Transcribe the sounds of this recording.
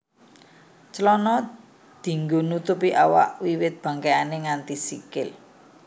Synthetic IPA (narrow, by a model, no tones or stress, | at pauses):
t͡ʃəlɔnɔ | d̪̥i̤ŋɡo̤nut̪ʊpiʔawa̰ʔwiwɪt̪̚b̥ä̤ŋkeaneŋant̪isikɪl